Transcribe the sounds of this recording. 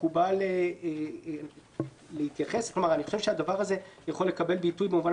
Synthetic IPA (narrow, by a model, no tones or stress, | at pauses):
kubale | lehit̪jaχe̞sklomaʁaniχo̞ʃevʃead̪avaʁaze̞jaχo̞le̞kabe̞lbitujbemuvan